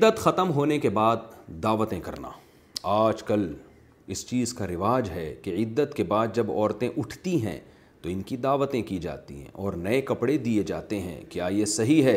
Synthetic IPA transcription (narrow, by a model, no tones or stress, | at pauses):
ɪd̪ːət̪xɐt̪əmɦoːnekebaːd̪ːaːʋət̪ẽkɐɾna̰ː | aːd͡ʒkɐl | ɪst͡ʃiːzkaɾɪʋaːd͡ʒɦɛkeɪd̪ːət̪kebaːd̪̚d͡ʒɐbɔ̰ːɾt̪ẽʔʊʈʰt̪iɦɛ̰̃ | t̪oɪnkid̪aːʋət̪ẽkid͡ʒa̰ːt̪ḭɦɛ̰̃ʔɔːɾnɐekɐpɽed̪ied͡ʒa̰ːt̪eɦɛ̰̃kjaːjesɐɦiɦɛ